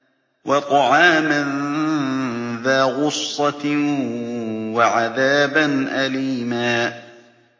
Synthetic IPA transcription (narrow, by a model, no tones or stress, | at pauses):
wɑt̪ˤɑʕɑːman | ðaːɣʊsˤːɑ | waʕaðaːbanʔaliːmaː